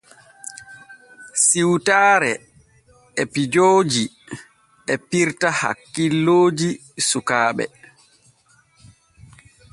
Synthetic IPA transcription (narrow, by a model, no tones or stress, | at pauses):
siwtaːɾɛ | ɛpid͡ʒoːd͡ʒi | ɛpiɾtaha̰kːilːoːd͡ʒi | sukaːɓɛ̰